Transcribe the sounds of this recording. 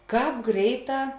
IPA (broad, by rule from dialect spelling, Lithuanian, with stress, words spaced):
ˈkɑːp ˈɡrʲɛɪˌtɑː